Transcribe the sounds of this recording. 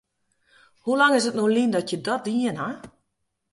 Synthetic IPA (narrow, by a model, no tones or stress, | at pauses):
hulaŋɪsətnolindɔtjədɔt̚diəna